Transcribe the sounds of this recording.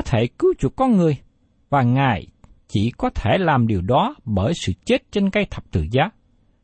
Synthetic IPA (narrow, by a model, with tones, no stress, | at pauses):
ɔ˦t̪ʰe˧˩kɨ˨˦wt͡ɕu˨˩t̚kɔ˧nŋɨ˨˩əj | vaː˨˩ŋaː˨˩jt͡ɕḭ˧˩kɔ˨˦t̪ʰe˧˩laː˨˩mɗi˨˩əwɗɔ˨˦ɓəː˧˩jsɨ̰˧˨t͡ɕe˦˥t̚t͡ɕe˧nkə˧jt̪ʰə˨˩p̚t̪ɨ̰˧˨zaː˨˦